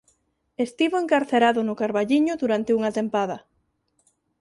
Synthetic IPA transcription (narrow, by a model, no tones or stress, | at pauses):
est̪iβoeŋkaɾθeɾaðʊnʊkaɾβaʎiɲʊðuɾant̪euŋat̪empaðɐ